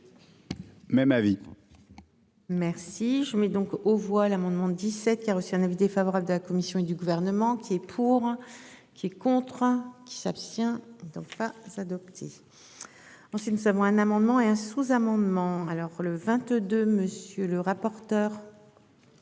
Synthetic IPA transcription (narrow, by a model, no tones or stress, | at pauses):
mɛmavi | mɛʁsiʒəmɛd̪ɔ̃kovwalamɑ̃d̪mɑ̃d̪isɛt̪̚kʲiaʁəsiɛ̃ɛ̃nɛ̃vid̪efavɔʁabləd̪əlakɔmisjɔ̃ed̪yɡuvɛʁnəmɑ̃kʲiɛpʰuʁ | kʲʰiɛkɔ̃t̪χəkʲi̥sapst̪jɛ̃d̪ɔ̃k̚pazad̪ɔpt̪ʰe | ɑ̃sɥit̪nuzavɔ̃ɛ̃namɑ̃d̪mɑ̃eɛ̃suzamɑ̃d̪mɑ̃alɔʁləvɛ̃t̪d̪øməsjøləʁapɔʁt̪œːʁ